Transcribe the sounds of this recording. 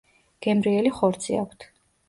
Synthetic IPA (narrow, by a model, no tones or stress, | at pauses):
ɡ̥ɛmɾiɛliχɔɾt̪sʰḭa̰kʷʰt̪ʰ